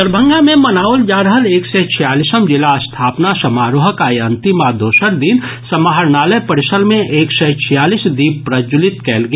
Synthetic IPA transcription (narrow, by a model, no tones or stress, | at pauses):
əɾbʱə̃ŋɡamẽmɐnaːʊld͡ʒaːɾəɦəleːksɛt͡ʃʰijaːlisəmd͡ʒɪlast̪ʰaːpnasɐmaːɾoɦəkaeɐ̃nt̪imad̪oːʃəɾd̪insɐmaɦəɾnaːləjpɐɾɪʃəlmẽʔeːksɛt͡ʃʰijaːliːsd̪iːb̚pːɾəd͡ʒʊlɪt̪kɛːlɡi